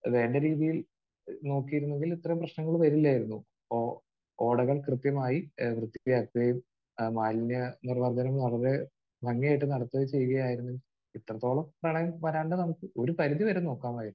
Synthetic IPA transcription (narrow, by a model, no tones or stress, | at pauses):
ʋe̞ːɳɖeɾiːðijil | no̞ːkːijɾunːe̞ŋɡilit̪ːrɐumprɐɕnɐŋːɐɭuʋɐɾilːaːjiɾunːu | o | oːɽɐɣɐɭkrɨt̪jɐmaːjiʋrɨd̪ːiʋjaːk̚t̪ɐɐjum | maːlnjɐnirɐʋɐrd̪ɐnɐmnɐɭɐɾe̞ | ʋɐŋːijaːjʈ̬ːɨnɐɽɐt̪ːɐt͡ɕe̞juɣɐjaːjiɾunːeŋɡi | it̪ːrɐt̪ːo̞ːɭɐmprɐɳɐjɐmʋɐɾaːɳɖɨnɐmukːɨo̞ɾupɐɾiðiʋɐɾeno̞ːkːaːmaːjiɾunː